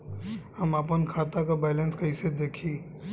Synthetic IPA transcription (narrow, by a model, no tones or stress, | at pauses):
hɐmaːpənkʰaːt̪akabɛːlə̃nskɐised̪eːkʰiː